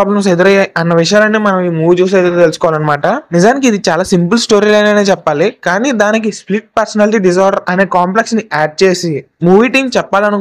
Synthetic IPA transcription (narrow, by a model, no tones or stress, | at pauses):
ablɐms̬ed̪uɾɐjaːjʔɐnːɐʋiʂɐjaːlɐnːiːmɐnɐmiːmuːʋid͡ʒuːs̬eːd̪uɾot̪elusukɔʋalɐnːɐmaːʈɐnizaːnik̬iːd̪it͡ʃaːlaːsimpɨlsʈo̞ːɾiːleɐnɐneːt͡ʃɛpːaːlikaːniːd̪aːnik̬ispliʈ̚pɐɾsɐnaːliʈiːɖis̬aːɾɖɐɾɐne̞ːkaːmpleksniaːɖ̚t͡ʃe̞ːsimuːʋiːʈiːŋt͡ʃɛpːaːlɐnu